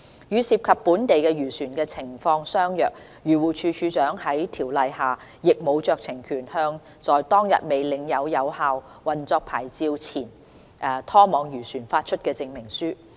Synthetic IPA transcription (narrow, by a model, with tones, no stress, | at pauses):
jyː˨˧siː˧p̚kʰɐ˨pːuː˨˥nt̪e˨jkɛ˧jyː˨˩syː˨˩nkɛː˧t͡sʰɪ˨˩ŋfɔː˧ŋsœː˥ŋjœː˨k̚ | jyː˨˩wuː˨˩t͡ʃʰyː˨˧t͡ʃʰyː˨˧t͡ʃœː˨˥ŋhɐ˨˥jt̪ʰiː˨˩wlɐ˨jhaː˨ | jɪ˨k̚mo˨˧wt͡ʃœː˨k̚t͡sʰɪ˨˩ŋkʰyː˨˩nhœː˧ŋ | t͡ʃɔː˨jt̪ɔː˥ŋjɐ̰˨t̚me˨jlɪ˨˧ŋjɐ˨˧wjɐ˨˧whaː˨˧w | wɐ˨nt͡sɔː˧k̚pʰaː˨˩jt͡siː˧wt͡sʰiː˨˩n | ʔɛː˨t̪ʰɔː˥mɔː˨˧ŋjyː˨˩syː˨˩nfaː˧t̚t͡ʃʰɵ˥t̚kɛː˧t͡sɪ˧ŋmɪ˨˩ŋsyː˥